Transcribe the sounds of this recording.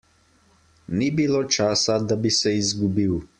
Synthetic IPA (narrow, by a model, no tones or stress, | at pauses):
nibiloːt͡ʃaːsad̪abisɛizɡubiw